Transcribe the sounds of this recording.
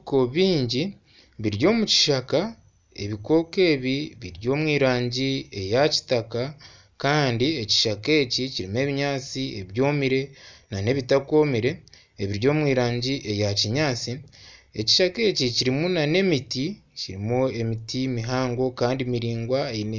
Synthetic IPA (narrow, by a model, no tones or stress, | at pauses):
koβiːɲɟi | βiɾjo̞ːmuci̥ʃaka | e̞̰βiko̞ːke̞ːβiβiɾjo̞ːmwiːɾaːɲɟie̞jaci̥taka | kaːndieci̥ʃake̞ciciɾime̞ːβiɲaːt͡sieβjo̞ːmiɾe̞nane̞βitako̞ːmiɾe̞ | eβiɾjo̞ːmwiːɾaːɲɟiʔe̞jaciɲaːt͡sie̞ci̥ʃake̞ːciciɾimunane̞miticiɾimue̞mitimiɦaːŋɡo̞kaːndimiɾiːŋɡwaen